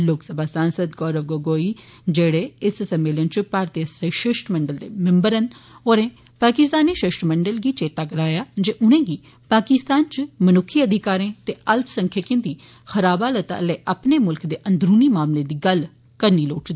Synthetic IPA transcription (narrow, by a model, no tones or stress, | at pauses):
loːksəbʱaːsaːnsəd̪ɡɔːɾəʋɡoɡoːiːd͡ʒeːɽeːɪssəmːeːlənt͡ʃpaːɾt̪iəsəʃɪʃʈməɳɖəld̪eːmɪmbəɾənoːɾẽː | paːkɪst̪aːniːʃɪʃʈməɳɖəlɡiːt͡ʃeːt̪aːkəɾaːjaːd͡ʒeːʔʊnẽːɡiː | paːkɪst̪aːnt͡ʃmənʊkʰːiːəd̪ʱɪkaːɾẽːt̪eːəlpsəŋkʰjekɪ̃nd̪iː | xəɾaːbaːlət̪a̰ːlɛːʔəpneːmʊlkd̪eːʔənd̪ɾuːniːmaːmleːd̪iːɡəl | kəɾniːloːt͡ʃd̪i